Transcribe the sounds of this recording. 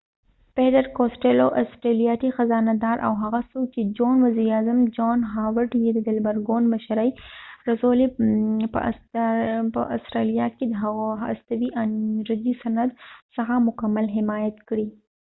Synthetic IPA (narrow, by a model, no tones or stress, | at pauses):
peʈ̪əɾkosʈeloʔa̰sʈɾelijɑt̪ixazɑnad̪ɑɾʔa̰wɦaɣasowt͡ʃed͡ʒonwɐziɾɑzamd͡ʒɑnɦɑwəʈjed̪əd̪ɪlbaɾɡonmaʃɾajɾazolepə̰ | pə̰ʔa̰sɾelijɑked̪əɦaɣoa̰st̪awiʔaɾad̪isanad̪səxamʊkamːalɦɪmɑjat̪kɽi